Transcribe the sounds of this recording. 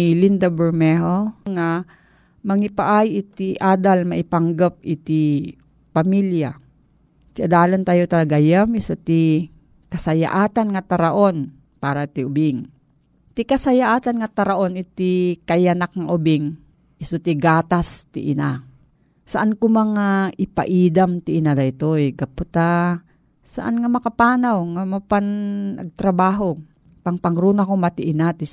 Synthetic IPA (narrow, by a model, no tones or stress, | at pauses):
ilind̪abɛɾmɛɦoŋa | mɐŋɪpaʔajʔɪt̪iʔaːd̪almɐʔɪpaŋɡap̚ɪt̪i | pɐmilja | t̪ɪʔad̪aːlant̪aːjot̪ɐlɐɡajamɪsot̪i | kɐsɐja̰ʔaːt̪anŋɐt̪ɐɾaʔon | paːɾat̪iʊbɪŋ | t̪ikɐsɐjaʔaːt̪anŋɐt̪ɐɾaʔonɪt̪ikajanak̚ŋaʔʊbɪŋ | ʔɪsot̪iɡaːt̪ast̪ɪ̰ʔɪna | saʔankʊmaŋaʔɪpa̰ʔiːd̪amt̪ɪɪnalajt̪ojɡapʊt̪a | sa̰ʔa̰nŋamɐkapaːnawŋamapanɐ̰ɡ̚t̪ɾabaːɦo | paŋpaŋɾunakomat̪iʔɪnat̪i